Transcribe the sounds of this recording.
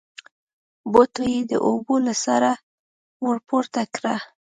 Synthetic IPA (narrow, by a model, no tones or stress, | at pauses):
bot̪ojed̪ə̰ʔobolasaɾa | wəɽpoɾt̪akɾa